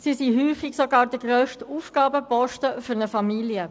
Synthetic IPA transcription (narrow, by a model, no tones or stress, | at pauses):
sisiɦyːfɪksɔɡɑːɾd̥̪əɡʁœːʃtuːfɡ̥ɑːbəpɔʃtəfʏɾnəfɑmiljə